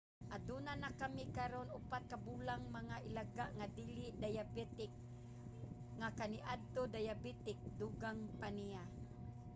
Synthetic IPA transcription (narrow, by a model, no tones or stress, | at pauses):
ʔad̪unanakamikaɾonupat̪̚kabulaŋmaŋaʔilaɡaʔŋad̪iliʔd̪ajabɛt̪ɪk̚ | ŋakaniʔad̪̚t̪od̪ajabit̪ɪk̚d̪uɡaŋpanija